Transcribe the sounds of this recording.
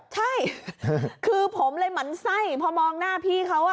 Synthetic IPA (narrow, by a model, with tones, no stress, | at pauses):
t͡ɕʰa˥˩j | kʰɯː˧pʰo˩˦mlɤː˧jma˩˦nsa˥˩jpʰɔ˧mɔː˧ŋnaː˥˩pʰiː˥˩kʰa˦˥wa˧˩